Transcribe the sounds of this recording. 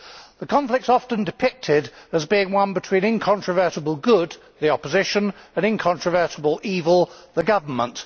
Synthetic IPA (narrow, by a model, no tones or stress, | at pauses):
ðəkʰɒ̃ɱflɪk̚tsɒfə̃ndɨpʰɪk̚tʰɪdəzbiɪ̃ŋwʌ̃nbɨtʰw̥ĩnɪ̃nkʰɑ̃nt͡ʃɹ̥əvɜ˞ɾəbəl̩ˠɡʊd̪̚ | ðiɒpəzɪʃə̃nə̃nɪ̃nkʰɑ̃nt͡ʃɹ̥əvɜ˞ɾəbəlˠiːvəlˠðəɡʌvə˞mə̃nt